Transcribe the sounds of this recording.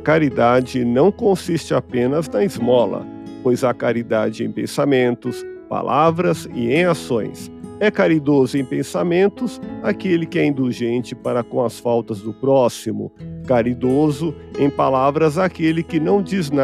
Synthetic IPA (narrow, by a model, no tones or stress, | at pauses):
kaɾid̪ad͡ʒɪnɐ̃w̃kõsist͡ʃɪapẽnɐznɐizmɔlɐ̰ | pojzɐkaɾid̪ad͡ʒɪḛ̃j̃pḛ̃samẽnt̪ʊspa̰lʔavɾɐzɪ̰ẽj̃asõj̃sɛkaɾid̪ozʊẽj̃pẽsamẽnt̪ʊsakelɪkɪɛĩnd̪uʒẽnt͡ʃɪpaɾɐkõɐsfawt̪ɐzd̪ʊpɾɔsimʊ̰kaɾid̪ozʊẽj̃palavɾɐzakelɪkɪnɐ̃w̃d͡ʒizna